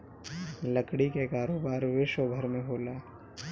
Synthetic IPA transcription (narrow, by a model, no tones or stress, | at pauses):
lɐkɽikekaːɾoːbaːɾʋeʃobʱəɾmẽɦoːlaː